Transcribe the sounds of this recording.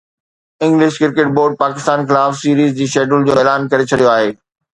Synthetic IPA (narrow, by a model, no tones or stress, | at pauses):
ɪ̃ŋɡlɪʃkɪɾkeʈboːɾɖ̚paːkɪst̪aːnxɪlaːfsiːɾiːzd͡ʑiːʃeːɖəld͡ʑoːeːlaːnkɐɾet͡ɕʰɐɽijoaːɦeː